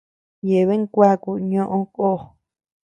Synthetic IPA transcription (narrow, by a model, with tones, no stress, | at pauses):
je˨βe˦kʷa˦ku˧˨ɲõ˦ʔõ˧ko˦˨